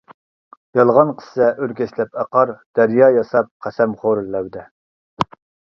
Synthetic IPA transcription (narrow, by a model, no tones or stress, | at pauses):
jɑlˠʁɑnqʰə̥sɪʔøɾkʲɛʃlɛpæqɑɾd̪̥æɾjɑːjɑsɑp̚qʰæsɛmχoɾlːɛwd̪ɛ